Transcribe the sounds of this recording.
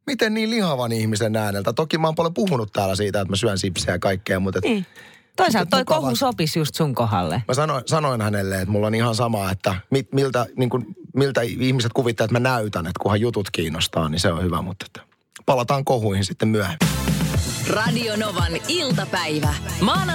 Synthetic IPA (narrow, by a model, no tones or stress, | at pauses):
mit̪enniːlihɑʋɑnihmisenːæːnelt̪æt̪okimɑːmpolempuhunut̪t̪æːlːæsiːt̪æet̪mæsyænsipseːɑkɑikːeːmut̪et̪ː | t̪oisɑlt̪t̪oikohusopisjust̪suŋkoɦɑ̰lːḛmæsɑnoinsɑnoinhænelːeet̪mulːonihɑnsɑmɑːet̪ːæmitmilt̪æniːŋkunmilt̪æihmiset̪̚kuʋit̪ːelet̪mænæyt̪ænet̪kuhɑjjut̪ut̪kiːnːost̪ɑːniseonhyʋæ̰mut̪ːe̥t̪ː | pɑlɑt̪ɑːŋkohuihinsit̪ːemmyæhemːi | rɑdionoʋɑnilt̪ɑpæiʋæmɑːn